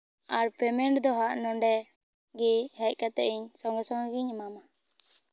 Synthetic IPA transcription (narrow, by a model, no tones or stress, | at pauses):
aɾpʰɛmɛɳʈd̪ɔɦaʔnɔɳɖɛ | ɡihɛc̚kat̪ɛ̰ʔiɲsɔŋɡɔsɔŋɡɡiɲmama